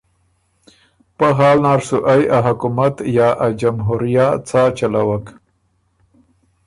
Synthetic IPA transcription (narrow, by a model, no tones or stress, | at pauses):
paɦɑːlnɑɾsuʔajaɦakumat̪jɑʔad͡ʒamɦuɾijat͡sat͡ʃalawak